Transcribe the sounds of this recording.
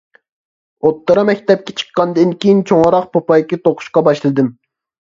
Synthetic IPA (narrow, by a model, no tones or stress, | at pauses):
ot̪ːɨɾɑmɛk̚ʲt̪ɛp̚kʲɛ̥t͡ʃʰə̥qːɑnd̪ɨnkʲijint͡ʃʰoŋɾɑq̚pʰopɑjkʲit̪oqʰʊ̥ʃqɑbɑʃlˠɨd̪ɨm